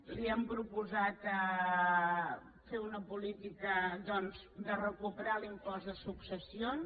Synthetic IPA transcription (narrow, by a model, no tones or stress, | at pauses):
liɛmpɾupuzat̪ə | feunəpulit̪ikəðɔnz | d̪ərəkupəɾalimpɔzðəsuksəsion